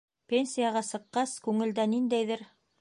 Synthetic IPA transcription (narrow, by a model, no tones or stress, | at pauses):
pʲenʲsʲijaʁɑsɤ̆qːɑskʉŋɘ̆ld̪ænind̪æjðɘɾ